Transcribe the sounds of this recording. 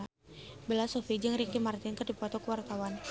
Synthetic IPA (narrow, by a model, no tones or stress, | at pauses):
belasofid͡ʒəŋɾikimart̪ɪnkɨrdipɔt̪ɔkəwart̪awan